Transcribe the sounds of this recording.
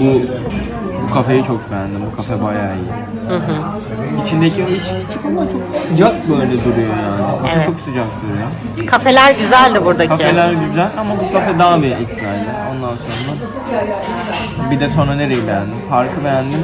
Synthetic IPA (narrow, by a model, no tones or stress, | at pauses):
bu | bukʰafejit͡ʃʰo̞kbejænd̪imbukʰafɛbajaːiji | hɯɦɯ | it͡ʃʰind̪ecʰiit͡ʃʰt͡ʃʰɯ̥kamat͡ʃʰo̞k̚sɯd͡ʒak̚bøllʲɛd̪uɾujo̞jaːnɪkʰafɛt͡ʃʰo̞ksɯd͡ʒaksyɾujo | kʰafe̞lʲæɾɟyzælʲd̪ɪbuɾd̪akkʰaelʲæɾɟyzælʲamabukafɛd̪aːbiɛcsvænd̪ʲio̞nd̪anso̞nɾa | bid̪ɛt̪ʰonane̞ɾe̞jibejænimpaɾkʰɯbejænd̪im